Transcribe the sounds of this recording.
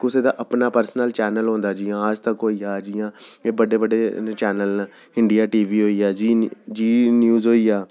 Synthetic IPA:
kʊseːd̪aːʔəpnaːpəɾsənəlt͡ʃɛːnəlɦõːnd̪aːd͡ʒɪjãːəd͡ʒt̪əkɦoːiːaːd͡ʒɪjãːeːbəɖeːbəɖeːt͡ʃɛːnəlː | ɪɳɖɪjaːʈiːʋiːɦoːiːaːid͡ʒiːnjuːzɦoːiːjaː

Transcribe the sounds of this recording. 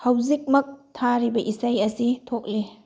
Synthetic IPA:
hawzik̚mɐk̚tʰaɾibɐʔisajɐsitʰok̚li

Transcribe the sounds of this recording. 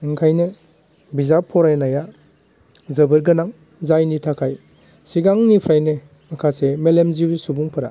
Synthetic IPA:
iŋkʰajnɯ | bizapʰːɔɾajnaja | zɐbɯɾɡɯnaŋ | zajnitʰakʰaj | siɡaŋnipʰɾajnɯ | makʰasemelemzibisubuŋpʰɐɾa̰

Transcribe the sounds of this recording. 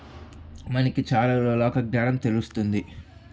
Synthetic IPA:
mɐnɐkit͡ʃaːɾɐloːlɔːkɐɡnaːnɐmt̪e̞lust̪und̪i

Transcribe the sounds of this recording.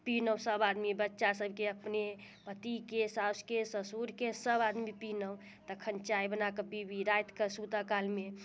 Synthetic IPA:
pinəwsəbad̪mibətːʃasəbʱkeəpne | pət̪ikesaskesəsuɾkesəbad̪mipinəw | t̪əkʰənt͡ʃaibənakəbibiɾajt̪kəsut̪əkalme

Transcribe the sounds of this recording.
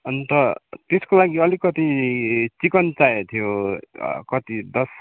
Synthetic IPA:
ʌnt̪ʌt̪eskolaɡiʌlikʌt̪it͡sikʌnt͡sajet̪ʰijo | kʌt̪id̪ʌs

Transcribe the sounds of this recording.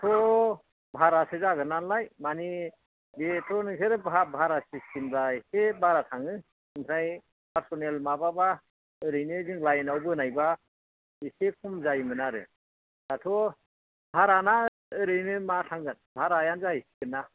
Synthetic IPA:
tʰɔ | bʱaɾasezaɡɯnanlajmani | betʰɔnɯŋsʰeɾɯbʱabʱaɾasistʰimdaisebaɾatʰaŋɯ | ɯŋsʰɾaj | pʰaɾsɔnelmababa | ɯɾɯjnɯzɯŋlajnawbɯnajba | isekʰumzajmɯnaɾɯ̰ | datʰɔ | bʱaɾana | ɯɾɯjnɯmatʰaŋɡɯnbʱaɾajanzaisiɡɯnːa

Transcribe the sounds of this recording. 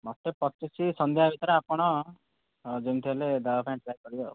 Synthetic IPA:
mɔt̪ːepɔt̪isisɔnd̪jɦabʱit̪ɔɾeapɔɽ̃ɔ | d͡ʒint̪ʰieled̪aapʰãɳʈɾajkɔɾiɔ

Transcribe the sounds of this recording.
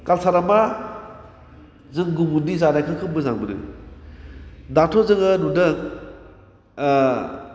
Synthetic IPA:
kalsaɾama | zɯŋɡubunizanajkʰɯkʰɯbɯzaŋbɯɾɯ̰ | datʰɔzɯŋɯnudɯŋ

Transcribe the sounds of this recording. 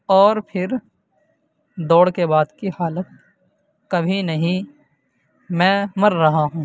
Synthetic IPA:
ɔːɾpʰɪɾ | d̪ɔːɽkebaːd̪kihaːlət̪̚ | kɐbʱinɐɦĩ | mɛ̃ːmɐɾːɐɦaɦũː

